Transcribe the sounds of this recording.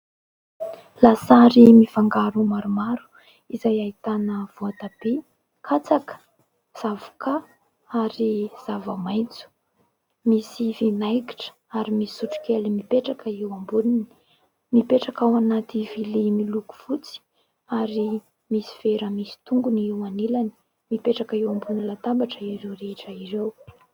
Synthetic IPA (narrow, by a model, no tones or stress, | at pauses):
lasaɾimifaŋɡaɾumaɾumaɾu̥ | izajait̪anəv̥oat̪abe | kʰat͡sakə̥ | z̥avu̥kʰa | aɾiz̥avəmajnt͡su̥ | misivinajki̥ʈ͡ʂə̥ | aɾimisi̥suʈ͡ʂu̥kʲelimipeʈ͡ʂakəiwambunini̥ | mipeʈ͡ʂakawanat̪ivilimiluku̥v̥ut͡si̥ | aɾi | misi̥veɾəmisi̥t̪uŋɡuniiwanilani̥ | mipeʈ͡ʂakəiwambunilat̪ambaʈ͡ʂəiɾewɾeʈ͡ʂəiɾew